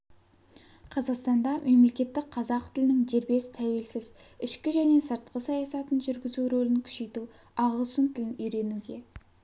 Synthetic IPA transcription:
qʰɑzɑqst̪ɑnd̪ɑmʔe̞mle̞kʲe̞t̪ːɪk̚qʰɑzɑq̚t̪ʰɪlɪnɪŋʒe̞ɾbe̞sɪ̥t̪ʰæwe̞lsɪz | ɪʃkʲɪʒæne̞səɾt̪̚qəsɑjɑsɑt̪ənʒʏɾɡʲɪzuɾolɪnkʲʰʏ̥ʃe̞jt̪u | ɑʁəlˠʃənt̪ʰɪlɪnʏjɾe̞nuɡʲe̞

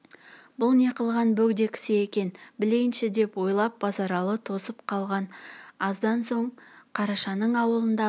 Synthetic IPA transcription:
bʊlˠne̞qəlˠʁɑnbɵɡd̪e̞kʲɪ̥sɪekʲe̞nbɪle̞jɪnʃɪd̪e̞pwo̞jlˠɑp̚b̥ɑzɑɾɑlˠət̪ʰo̞səpqʰɑlˠʁɑnɑzd̪ɑnso̞ɴqʰɑɾɑʃɑnəɴɑwəlˠənd̪ɑ

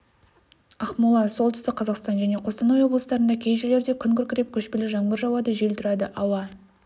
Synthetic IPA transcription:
ɑχmulˠɑso̞lˠt̪ʰʏst̪ɪk̚qʰːɑzɑqst̪ɑnʒæne̞qʰo̞st̪ɑnojwo̞blˠəsəd̪ɑɾənd̪ɑkʲʰejʒele̞ɾd̪e̞kʲʰʏŋkʲʏɾkʲʰɪɾe̞p̚kʲʰɵʃpelɪʒɑɴbəɾʒɑwɑd̪əʒelt̪ʰʊɾɑd̪əʔɑwɑ

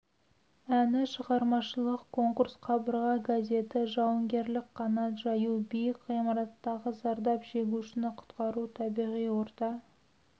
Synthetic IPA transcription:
ænɪʃəʁɑɾmɑʃəlˠəqkʰo̞ŋkuɾsqʰɑbəɾʁɑɡazʲe̞t̪ɪʒɑwəŋɡʲe̞ɾlɪkqʰɑnɑt̪ʒɑjubejkːijmɑɾɑt̪ːɑʁəzɑɾd̪ɑpʒe̞ɡʲuʃɪnɪqʰʊ̥t̪qɑɾut̪ʰɑbijʁijwo̞ɾt̪ɑ

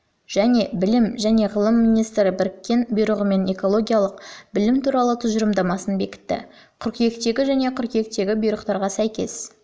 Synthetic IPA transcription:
ʒ̥æne̞bɪlɪmʒæne̞ʁəlˠəmːinijst̪ɾɪbɪɾɪkʲːe̞nbujɾəʁəme̞ne̞ko̞lˠo̞ɡʲijɑlˠəqbɪlɪmt̪ʰuɾɑlˠət̪ʰʊʒəɾəmd̪ɑmɑsənbe̞kʲɪ̥t̪ːɪ̰ | qʰʏɾkʲje̞kt̪e̞ɡʲɪʒæne̞qʰʏɾkje̞k̚t̪e̞ɡʲɪbijɾəqt̪ɑɾʁɑsæjkʲe̞̰s

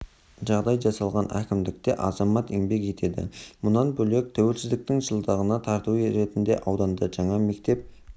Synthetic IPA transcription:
ʒɑʁd̪ɑjʒɑsɑlˠʁɑnækʲɪmd̪ɪk̚t̪e̞ʔɑzɑmɑt̪eŋbe̞kʒe̞t̪e̞d̪ɪ̰mʊnɑnbɵle̞k̚t̪ʰæwe̞lsɪzd̪ɪk̚t̪ɪŋʒəlˠd̪ɑʁənɑt̪ʰɑɾt̪uɾe̞t̪ɪnd̪e̞̰ʔɑwd̪ɑnd̪əʒɑɴɑme̞k̚t̪e̞p̚

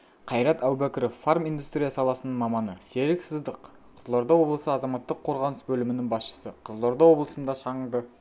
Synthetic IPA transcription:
qʰɑjɾɑt̪æwbækʲɪɾofːarmijnd̪ust̪ɾʲijasɑlˠɑsənəɴmɑmɑnəse̞ɾɪksɪzd̪əq | qʰəzəlˠo̞ɾd̪ɑwo̞blˠəsəɑzɑmɑt̪ːəqʰːo̞ɾʁɑnəsbɵlɪmɪnɪŋbɑsʃə̥səqʰəzlˠo̞ɾd̪ɑwo̞blˠəsənd̪ɑʃɑɴəɴd̪ə

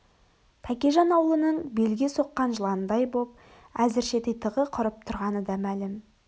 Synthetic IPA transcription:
t̪ʰækʲeʒɑnɑwəlˠənəɴbe̞lɡʲeso̞qːɑnʒəlˠɑnəd̪ɑjbo̞p̚ | æzɪɾʃe̞t̪ejt̪ʰəʁəqʰʊɾəp̚t̪ʰʊɾʁɑnəd̪ɑmælɪm

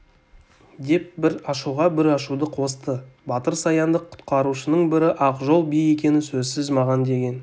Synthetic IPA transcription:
d̪e̞p̚bɪɾɑʃuʁɑbɪɾɑʃud̪əqʰo̞st̪əbɑt̪əɾsɑjɑnd̪əqʰːʊ̥t̪qɑɾuʃənəɴbɪɾɪʔɑqʒo̞lˠbije̞kʲe̞nɪsɵzsɪzmɑʁɑnd̪e̞ɡʲe̞n

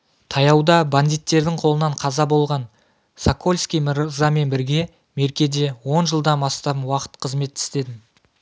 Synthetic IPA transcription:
t̪ʰɑjɑwd̪ɑband̪ijt̪ːe̞ɾd̪ɪɴqʰo̞lˠənɑɴqʰɑzɑbo̞lˠʁɑn | sako̞lʲskʲijməɾzɑme̞nbɪɾɡʲe̞ | me̞ɾkʲe̞d̪e̞wo̞nʒəlˠd̪ɑnɑst̪ɑpwɑqə̥t̪qʰəzme̞t̪ːɪ̥st̪e̞d̪ɪm

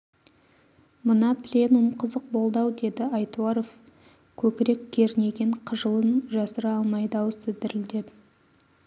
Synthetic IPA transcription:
mʊnɑplʲe̞numqʰəzəq̚bo̞lˠd̪ɑwd̪e̞d̪ɪɑjt̪uɑɾo̞f | kʲʰɵkʲɪɾe̞kʲkʲʰe̞ɾne̞ɡʲe̞ɴqʰəʒəlˠənʒɑsəɾɑlˠmɑjd̪ɑwəsɪd̪ɪɾɪld̪ep

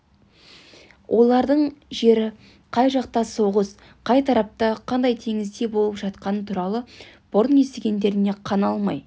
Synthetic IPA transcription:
wʔo̞lˠɑɾd̪əɴʒe̞ɾɪ | qʰɑjʒɑqt̪ɑso̞ʁəs | qʰɑjt̪ʰɑɾɑp̚t̪ɑqʰɑnd̪ɑjt̪ʰe̞ŋɪzd̪e̞bo̞lˠəpʒɑt̪qɑnət̪ʰuɾɑlˠə | b̥ʊɾʊne̞st̪eɡʲe̞nd̪e̞ɾɪne̞qʰɑnɑlˠmɑ̰j

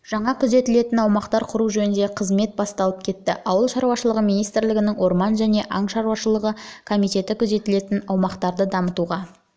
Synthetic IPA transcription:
ʒ̥ɑɴɑkʲʰʊze̞t̪ɪle̞t̪ɪnɑwmɑqt̪ɑɾqʰʊɾuʒɵnɪnd̪e̞qʰəzme̞t̪̚bɑst̪ɑlˠəp̚kʲʰe̞t̪ːɪ̰ʔɑwəlˠʃɑɾwɑʃəlˠəʁəmijnijst̪ɾlɪɡʲɪnɪŋwo̞ɾmɑnʒæne̞ʔɑɴʃɑɾuwɑʃəlˠəʁəkʰo̞mijt̪e̞t̪ɪkʲʰʊze̞t̪ɪle̞t̪ɪnɑwmɑqt̪ɑɾd̪əd̪ɑmət̪uʁɑ

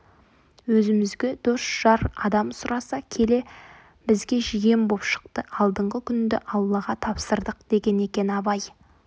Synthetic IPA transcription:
wɵzɪmɪzɡʲe̞d̪̥ʊsʒ̥ɑɾɑ̰d̪ɑmsʊɾɑsɑkʲʰe̞le̞ | bɪzɡʲe̞ʒije̞mbo̞pʃə̥q̚t̪əɑlˠd̪əɴʁəkʲʰʏnd̪ɪʔɑlˠːɑʁɑt̪ʰɑpsəɾd̪əqd̪̥e̞ɡʲe̞ne̞kʲe̞nɑβɑj

